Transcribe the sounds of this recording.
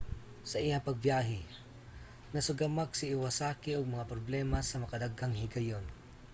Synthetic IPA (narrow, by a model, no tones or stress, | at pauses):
sɐʔijapɐɡ̚bjaːɦɪ | nɐsʊɡamak̚sɪːwasaːkɪʔʊɡ̚maŋapɾoblɛːmasɐmɐkad̪aɡaŋhɪɡajon